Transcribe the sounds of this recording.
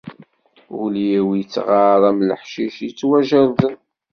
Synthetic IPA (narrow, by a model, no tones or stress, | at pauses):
ulijiwjət͡sːʁɑɾˤæmləħʃiʃjət͡sːwæʒæɾðən